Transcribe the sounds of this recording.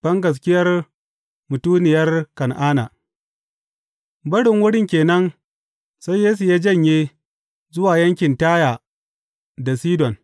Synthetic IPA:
b̥ɐ˦ŋɡɐ˨s̬kʲɪ˦jɐ˦r | mʊ˨tuː˦nɪ˨jɐ˦rkɐ˨nʔaː˦na̰ː˨ | bɐ˦ɽɪ˨ŋwʊ˦ɽɪ˦ŋkʲeː˨nɐ˦n | sa˦jjeː˦su˨jaː˦d͡ʒɐ˦˨ɲjeː˦ | zʊ˦waː˨jɐ˦ŋkʲɪ˨ntaː˦jaː˨ | da˨siː˦dɔ˨n

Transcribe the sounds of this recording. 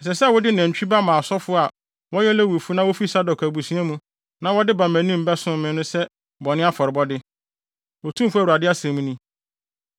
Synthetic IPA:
ɛ˨s̬ɛ˨sɛ˦˨wɔ˦dɪ˦næ̃˨t͡ɕᶣi˦ba˦mã˨sɔ˦fʊ˦˨a˨ | wɔ˦jɛ˦lɛ˦wu˨fu˦nã˦wo˦fi˦sa˦dɔ˨kʰæ˨bu˨sĩ˦a˦mũ˦ | nã˦wɔ˦dɪ˦bã˨mæ̃˨nĩ˦m̩˨bɛ˦sʊ̃˦mɪ̃˦nʊ̃˦sɛ˦ | bɔ˨nɪ̃˦a˦fɔ˨ɾɪ˨bɔ˦dɪ˦ | wɔ˨tʰũ˦m˦fu˦a˨u˨ɾa˨dɪ˦a˦sɛ̃˨mũ˦nĩ˦

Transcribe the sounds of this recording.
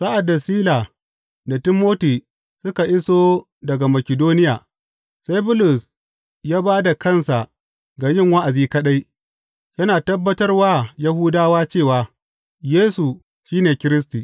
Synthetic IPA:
sa˦ʔa˨dːa˨siː˦la˨ | da˨tɪ˦mːoː˦tiː˨ | sʊ˦ka˨ʔɪ˦soː˦ | dɐ˨ɡa˨mɐ˨kʲɪ˨doː˦nɪ˦jaː˨ | sa˦jbʊ˦lʊ˨s | jaː˦baː˦da˨kɐ˦˨nsa˨ | ɡaː˨jɪ˦˨ŋwa˦ʔa˨ziː˦kɐ˦ɗa˦j | jɐ˦naː˨tɐ˦bːɐ˦tɐ˦rwaː˦jɐ˦ɦʊ˦daː˦waː˦t͡ʃeː˦˨waː˨ | jeː˦su˨ | ʃiː˦neː˨kʲɪ˦ɾɪ˦s̬tiː˨

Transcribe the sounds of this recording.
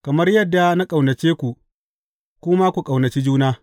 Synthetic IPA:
kɐ˨mɐ˦rjɐ˦dːa˨na˦kʼa˨wnɐ˨t͡ʃeː˦kʷu˨ | kʷʊ˦ma˦kʷu˨kʼa˨wnɐ˨t͡ʃi˦d͡ʒuː˦naː˦

